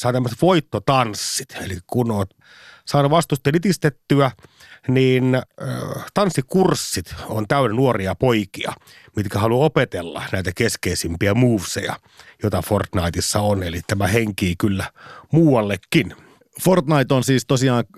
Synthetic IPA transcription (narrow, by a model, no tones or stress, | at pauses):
sɑːt̪æmːset̪ʋoit̪ːot̪ɑnsːit̪ḛlikunoːt̪ | sɑːnuʋɑst̪ust̪elit̪ist̪et̪ːyæ | niːnː | t̪ɑnsːikursːit̪ont̪æynenuoriɑpoikiɑ̰ | mit̪kæhɑluopet̪elːɑ̰næit̪ækeskeisimpiæmuːʋsḛjɑ̰ | jot̪ɑfort̪nɑit̪isːɑonelit̪æmæheŋkiːkylːæmuːwɑlːekːin | fort̪nɑit̪onsiːst̪osiɑːŋ